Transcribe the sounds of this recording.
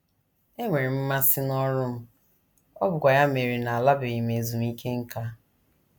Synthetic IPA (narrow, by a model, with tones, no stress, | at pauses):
e˦ŋʷe˨ɾi˨m̩˦ma˦sɪ˦nɔ˦ɾʊ˦m̩˦ | ɔ˦bʊ˨kʷa˨ja˦me˨ɾi˨na˨a˨la˦be˨i˨me˨zu˨m˦i˦kʰe˦ŋ̩˦ka˦